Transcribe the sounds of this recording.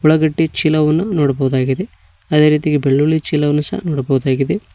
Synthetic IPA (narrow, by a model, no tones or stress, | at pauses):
uɭɐɡɐʈːit͡ʃiːlɐʋɐnːunoːɽɐbɐʋud̪aːɡid̪e | ɐd̪eɾiːt̪iɡebeɭːuɭit͡ʃiːlɐʋɐnːusɐ̰ɐ̰noːɽɐbɐʋud̪aːɡid̪e